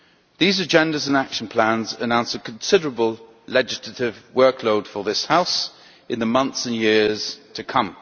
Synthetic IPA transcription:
ðiːzəd͡ʒɛ̃ndəzə̃nakʃə̃npʰl̥ãnzənãʊ̃nsəkʰə̃nsɪdəɹəbəlˠ | lɛd͡ʒɪslətɪvwɜˑkʰloʊd̥fəðɪshaʊs | ɪ̃nðəmʌ̃nθsə̃njɪəz̥tʰəkʰʌ̃m

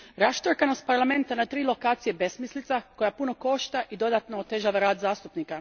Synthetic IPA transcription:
ɾast̪oɾkanost̪̚paɾlame̞nt̪anat̪ɾiːlˠo̞kaːt̪sije̞be̞smislit̪sako̞japuno̞ko̞ʃt̪aʔid̪o̞d̪at̪noot̪e̞ʒaːʋaɾaːd̪zaːst̪upniːka

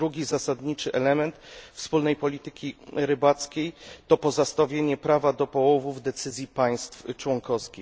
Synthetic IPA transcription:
ɾuɡʲizasad̪ɲit͡ʂɘʔɛlɛmɛnt̪fspulnɛjpɔlʲit̪ɘkʲiɾɘbat̪skʲejt̪ɔpɔzast̪avʲjeɲɛpɾavad̪ɔpɔwɔvuvd̪ɛt̪sɘzʲjipaj̃st̪ft͡ʂwɔŋkɔskʲi

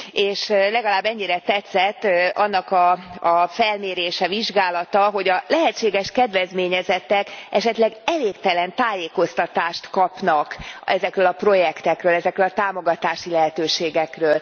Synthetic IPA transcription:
eːʃlɛɡɒlaːbːɛɲːiɾɛt̪ɛt̪sɛt̪ːʔɒnːɒkɒɒfɛlmeːɾeːʃɛviʒɡaːlɒt̪ɒɦo̞ɟɒlɛɦɛt͡ʃːeːɡɛʃkɛd̪ʋɛzmeːɲɛzɛt̪ːɛkɛʃɛt̪lɛɡɛleːkt̪ɛlɛnt̪aːjeːko̞st̪ɒt̪aːʃt̪kɒpnɒkɛzɛkrøːlɒpro̞jɛkt̪ɛkrøːlɛzɛkrøːlɒt̪aːmo̞ɡɒt̪aːʃilɛɦɛt̪øːʃeːɡɛkrøːl

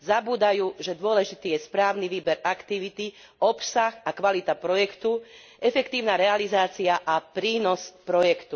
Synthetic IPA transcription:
zabuːd̪ajuːʒɛd̪ʊɔlɛʒit̪iːjɛspɾaːʊniʋiːbɛɾakt̪iʋit̪i | ɔpsaxakʋalit̪apɾɔjɛkt̪u | ɛfɛkt̪iːʊnaːɾɛalizaːt͡siaʔapɾiːnɔspɾɔjɛkt̪u

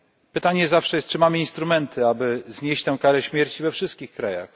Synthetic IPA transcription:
pɘt̪aɲɛzafʂɛjɛst̪̚t͡ʂɘmamɘinst̪ɾumɛnt̪ʰɘabɘzɲeɕt͡ɕt̪ɛw̃kaɾɛɕmʲjɛɾt͡ɕivɛfʂɘst̪̚kʲixkɾaja̰x

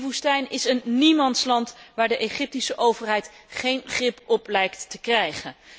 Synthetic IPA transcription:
vustɛjnɪsənːimɑnslɑntʋaːɹdəʔeχɪp̚tisəʔowvəɹɦɛjtχejnχrɪpɔplɛjktːəkrɛjχən

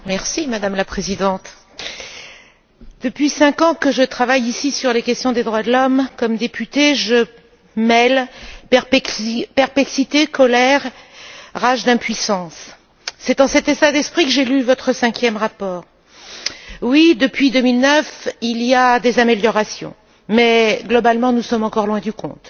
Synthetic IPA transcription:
mɛʁsimad̪amlapχezid̪ɑ̃t̪ | d̪̥əpɥisɛ̃kɑ̃kəʒət̪χavajisisyʁlekʲɛst̪jɔ̃d̪ed̪ʁwad̪əlɔmkɔmd̪epyt̪eʒə | mɛl | pɛʁplɛksit̪ekɔlɛʁ | ʁaʒd̪ɛ̃pɥisɑ̃sː | ɛt̪ɑ̃sɛt̪et̪ad̪ɛspχikəʒelyvɔt̪χəsɛ̃kʲjɛmʁapɔːʁ | wid̪əpɥid̪əmilnœfilijad̪ezameljɔʁasjɔ̰̃ | mɛɡlɔbalmɑ̃nusɔmɑ̃kɔʁlwɛ̃d̪ykɔ̰̃t̪

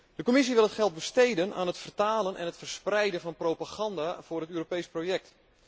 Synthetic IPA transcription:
d̥əkomis̬iʋɪlˠətxɛlˠt̚bəstejdəna̰ːnɦətfərtaːlənʔɛ̰nətfərsprɛjdənvɔnprowpaxɑndavʊːrətøːropejsprojɛk̚t

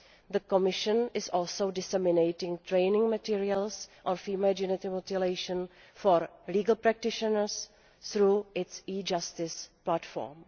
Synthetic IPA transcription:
ðəkomɪʃə̃nʔɪsɔːlˠsowdɪsɛmɪnejtɪ̃ŋt̪ɾejnɪ̃ŋmatiːɹiəlsʔɔ̃nfimad͡ʒɪnɪt̪ɪmot̪ɪlejʃə̃n | foɾliːɡəlpɾɛk̚tɪʃənəɾs | θɾuːʔɪtsiːd͡ʒast̪ɪsplatfɔ̰ɾm

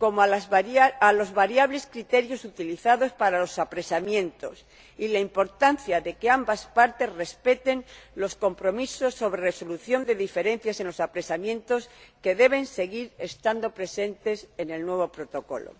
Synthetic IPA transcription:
ko̞mo | alo̞zβaɾjaβ̞le̞skɾit̪e̞ɾjo̞sut̪iliθaðo̞spaɾalo̞sapɾesamjẽ̞nt̪o̞̰s | ilaimpo̞ɾt̪anθjaðe̞keambaspaɾt̪e̞sre̞spe̞t̪e̞nlo̞sko̞mpɾo̞miso̞sːo̞βɾe̞re̞so̞luθjo̞nd̪e̞ðife̞ɾen̟θjase̞nlosapɾe̞samjẽ̞nt̪o̞ske̞ðe̞β̞e̞nse̞ɣiɾe̞st̪and̪o̞pɾe̞se̞nt̪e̞se̞ne̞lnwe̞β̞o̞pɾo̞t̪o̞ko̞̰lo̰

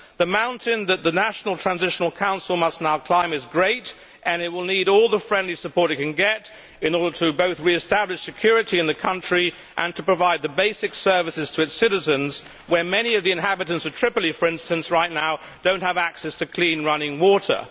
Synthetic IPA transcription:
ðɨmãʊ̃ntʰɪ̃nðɨt̪̚ðɨnæʃn̩l̩ˠtʰɹ̥æ̃nzɪʃn̩l̩ˠkʰãʊ̃nsl̩ˠmʌsnaʊkʰl̥ãɪ̃mɨzɡɹeɪɾ | ʔɨ̃nɨt̚wɪlˠniɾɔlˠðəfɹɛ̃ndlisɨpʰɔɹɾɨkɨ̃nɡɛɾ | ɨ̃nɔɹɾə˞ɾɨboʊθɹiɨstæblɨɪʃsɨkʰj̥ʊɹɨɾiɨ̃nðɨkʰʌ̃nt͡ʃɹ̥i | ʔɨ̃ntʰəpɹ̥ɨvaɪd̪̚ðɨbeɪsɨksɜ˞vɨsɨz̥tʰɨɨtsɪɾɨzɨ̃nz | wə˞mɛñiʌvðiɨ̃nɦæbɨɾɨ̃ntsʌv̥tʰɹ̥ɪplˠifə˞ɪ̃nstɨ̃nsɹaɪtⁿnaʊ | d̥õʊ̃nt̚həvæksɛstʰɨkʰl̥ĩnɹʌnɪ̃ŋwɔɾə̰˞

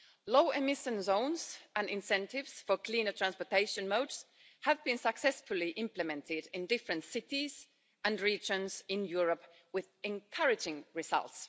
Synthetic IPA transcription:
loʊɪmɪʃə̃nzõʊ̃nzə̃nɪ̃nsɛ̃ntɪvz̥fə˞kʰl̥ĩːnə˞tʰɹæ̃nspəteɪʃɨ̃nmoʊds | həvbĩnsəksɛsfʊliʔɪ̃mplɨmɛ̃ntʰɪdɪ̃ndɪfɹɨ̃ntsɪtiz̥ | ə̃nɹiːd͡ʒə̃nzɪ̃njuɹəp | wɪðɨ̃nkʰʌɹɪd͡ʒɪ̃ŋɹɪz̥ʌ̰lˠts

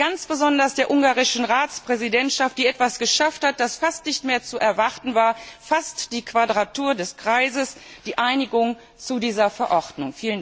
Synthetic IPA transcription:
ɡ̥ant͡sb̥əzɔndɐsd̥eːɐʔʊŋɡaːʁɪʃn̩ʁaːt͡spʁ̥ɛzidɛntʃaft̚d̥iːɛtv̥asɡ̥əʃafthat̚d̥asfastnɪçtmeːɐt͡suʔɛɐvaʁtn̩vaːɐfastd̥iːkv̥adʁatuːɐdɛskʁ̥aɪzəsd̥iːʔaɪnɪɡʊŋ | t͡sudiːzɐfɛɐʔɔʁdnʊŋfiːlən

